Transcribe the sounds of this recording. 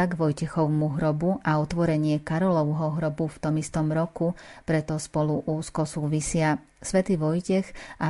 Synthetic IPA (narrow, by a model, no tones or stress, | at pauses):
aɡʋɔjcɛxɔʊmuɦɾɔbuʔaɔt̪ʋɔɾɛɲɪɛkaɾɔlɔʊɦɔɦɾɔbuft̪ɔmist̪ɔmɾɔkupɾɛt̪ɔspɔluʔuːskɔsuːʋisɪa | sʋɛt̪iːʋɔjcɛxʔa